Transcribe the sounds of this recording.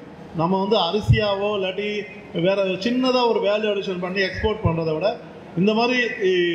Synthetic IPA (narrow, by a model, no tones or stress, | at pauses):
nɐmːɐʋɐnd̪ɯɐɾɐsɪjaːʋoːlɐʈːi | ʋeːɾɐt͡ʃɪnːɐðãːɔɾɯʋeːlɐɽɪʂɐnpɐɳːiɛkspoːɾʈ̚pɐɳːɾɐðɐʋɪɽɐ | ɪnd̪ɐmaːd̪ɾi